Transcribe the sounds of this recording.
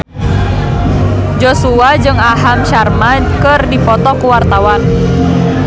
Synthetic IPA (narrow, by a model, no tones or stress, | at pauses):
d͡ʒosuad͡ʒɨŋaɦamʃarmankɨrdipɔt̪ɔkuwart̪awan